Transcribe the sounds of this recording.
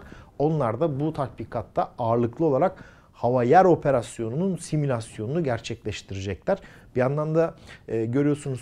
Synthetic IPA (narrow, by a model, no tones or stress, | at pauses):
o̞nlˠaɾd̪abut̪ʰat̪̚bikʰat̪ːaaːɾlˠɯklˠɯo̞lˠaɾak̚ | havajæɾo̞pʰe̞ɾasjo̞nununsimylʲasjo̞nunuɟæɾt͡ʃʰɛclʲɛʃt̪ʰiɾɛd͡ʒɛclʲæɾ̥ | bijand̪ˠand̪aːɟø̞ɾijo̞sunuz